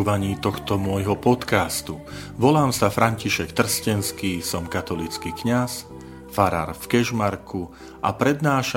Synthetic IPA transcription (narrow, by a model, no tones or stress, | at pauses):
ʋaɲiːt̪ɔxt̪ɔmʊɔjɦɔpɔt̪kast̪uʋɔlaːmsafɾʔaɲciʃɛkt̪r̩scɛnskiːsɔmkat̪ɔlit͡skiːkɲas | faɾa̰ɾfkɛʒmaɾkʰu | ʔa̰pɾɛd̪naːʃa